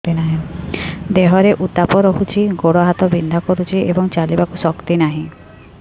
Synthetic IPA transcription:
inaɦĩ | d̪eɦɔɾeʔut̪apɔɾɔɦut͡ʃʰiɡoɽɔɦat̪ɔbind̪ʱakɔɾut͡ʃʰiebɔŋt͡ʃalibakusɔkt̪inaɦĩ

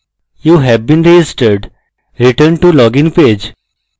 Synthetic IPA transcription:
juːɦɛʋbĩːnɾed͡ʒɪsʈəɾɖ | ɾɪʈəɾɳɖ̚ʈulɔːɡɪ̃npeːd͡ʒ

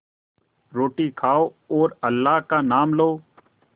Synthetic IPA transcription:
ɾoːʈiːkʰaːoː | oːɾəlːaːɦkaːnaːmloː

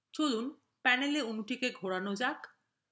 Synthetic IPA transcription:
t͡ɕolun | pɛneleonuʈikeɡʱoɽanod͡ʑak

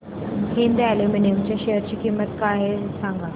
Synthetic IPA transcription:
ɦind̪aleminijəmt͡ɕjaɕeɦəɾt͡ɕiːkiːmːət̪kaɦesãŋɡa

